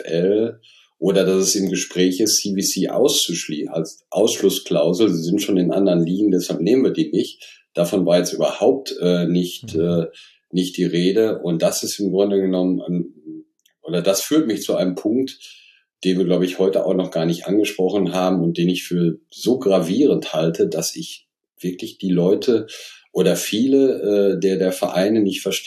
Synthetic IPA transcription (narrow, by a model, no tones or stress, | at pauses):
ʔɛl | ʔoːdɐdasɛsɪmɡəʃpʁ̥ɛːçɪstsiviːsiːʔa̰ʊst͡suʃliːa̰lsʔaʊsʃlʊskl̥aʊzl̩ziːzɪntʃoːnɪnʔa̰ndɐʁnliːɡŋ̩dɛshalp̚neːmənviːɐdiːnɪçtd̥afɔnvaːɐjɛt͡stʔyːbɐhaʊp̚tʔɛːnɪçtʔɛː | nɪçt̚d̥iːʁeːdəʔʊnt̚d̥asɪstɪmɡʁʊndəɡənɔməna̰n | ʔoːdɐdasfyːɐtmɪçt͡suʔaɪnəmpʰʊŋk̚t | d̥eːnviːɐɡlaʊbəɪçhɔʏtəʔa̰ʊxnɔχɡ̥aːɐnɪçtʔa̰nɡəʃpʁ̥ɔχn̩ɦaːbm̩ʊnt̚d̥eːnɪçfyːɐzoːɡʁaviːʁ̞ənthaltʰəd̥asɪç | v̥ɪɐklɪçd̥iːlɔʏtʰəʔoːɾɐfiːləʔɛːdeːɐdeːɐfɛɐʔa̰ɪnənɪçtfɛɐʃt